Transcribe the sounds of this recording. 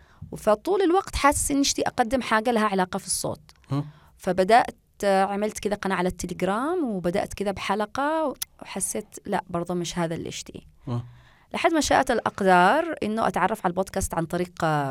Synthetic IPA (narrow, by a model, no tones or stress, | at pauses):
wfat̪ˤuːlɪlwaɡt̪ħassʔɪnːʔɪʃt̪iʔɑqad̪ːɪmħaːɡalaɦaʕalaːqɑfisˤːo̰ːt̪̚ˤ | fabad̪aʔt̪ | ʕamɪlt̪kɪd̪aqɑnaːʕalat̪ːɪlɪɡɾaːmwɪbad̪a̰ʔt̪kɪd̪abħalaqɑwħasːeːt̪laʔbɑɾˤðˤumɪʃhaːðalʔɪ̰ʃt̪ḭ | lʔaħad̪maʃa̰ʔt̪alʔɑqd̪ɑːɾˤʔɪ̰nːʊʔa̰t̪ʕɑrˤːɑfʕalboːd̪kaːst̪ʕant̪ˤɑɾiːq